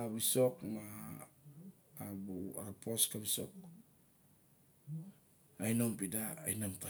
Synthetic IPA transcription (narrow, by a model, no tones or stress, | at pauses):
aβiso̞kma | buaɾpʰoskaβisok | ajnompida̰ːjnompa